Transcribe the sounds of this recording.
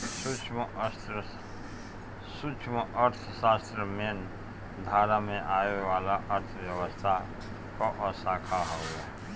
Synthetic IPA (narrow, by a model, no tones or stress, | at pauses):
sut͡ʃʰst̪ | sut͡ʃʰməʔəɾt̪ʰsaːst̪ɾəmen | d̪ʱaːɾamẽʔaːewaːlaʔəɾt̪ʰəwjəwəst̪ʰa | kɔʔɔsaːkʰaɦɔɡa